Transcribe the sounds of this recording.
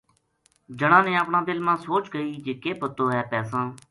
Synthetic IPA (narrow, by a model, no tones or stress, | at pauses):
d͡ʒəɽ̃ãːnẽːəpɳãːd̪ɪlmãːsoːt͡ʃɡəiːd͡ʒeːkeːpət̪oːɦɛːpɛːsãː